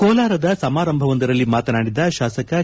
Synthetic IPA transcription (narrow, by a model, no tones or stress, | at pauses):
koːlaːɾɐd̪ɐsɐmaːɾɐmbʱɐʋɐnd̪ɐɾɐlːimaːt̪ɐnaːɽid̪ɐʃaːsɐkɐ